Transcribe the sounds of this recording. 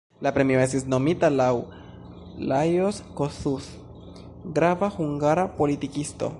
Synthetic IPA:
lapɾe̞mio̞e̞stisno̞mitalaw | lajoskosus | ɡɾavahuŋɡaɾapo̞litikisto̞̰

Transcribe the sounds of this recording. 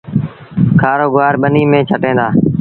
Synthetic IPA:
kʰaːɾoːɡʋaːɾɓəniːmẽːt͡ʃʰəʈẽːd̪aː

